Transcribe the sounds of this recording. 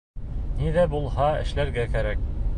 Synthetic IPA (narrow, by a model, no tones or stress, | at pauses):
niðæbulˠhɑɘ̰̆ʃlæɾɡækæɾæk̚